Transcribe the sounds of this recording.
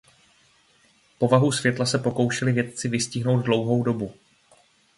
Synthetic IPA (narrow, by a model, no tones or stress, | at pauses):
po̞vaɦusvjɛt̪lasɛpo̞ko̞wʃɛlɪvjɛt̪̚t͡sɪvɪscɪɦno̞wd̪dlo̞wɦo̞wdo̞bu